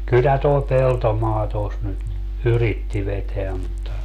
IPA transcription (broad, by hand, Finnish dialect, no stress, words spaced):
kylːæ toi peltomɑː tos nyt yritːi ʋeteæ mutːɑ